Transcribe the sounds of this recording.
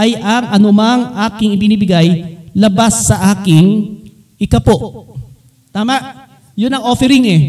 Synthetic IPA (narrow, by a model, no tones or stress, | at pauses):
ʔɐjʔɐŋʔɐnʊmɐŋʔaːkɪŋɪbɪnibɪɡajlɐbasːɐʔaːkɪŋ | ʔɪkɐpo̞ | t̪aːmaʔ | jʊnɐŋʔoːfɛɾɪŋɛ